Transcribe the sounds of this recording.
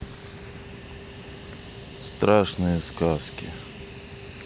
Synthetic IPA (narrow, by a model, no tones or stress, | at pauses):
st̪ɾaʂnɨjəskaskʲɪ̰